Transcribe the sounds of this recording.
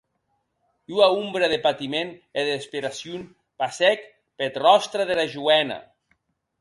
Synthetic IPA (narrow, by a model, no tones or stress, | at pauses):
uaumbɾeðepat̪imeneðespeɾasjun | pasɛk | pet̪rɔst̪ɾaðelaʒuɛna̰